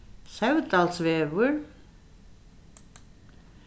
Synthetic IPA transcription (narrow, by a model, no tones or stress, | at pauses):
sɛwt̪alsvɛːvʏɾ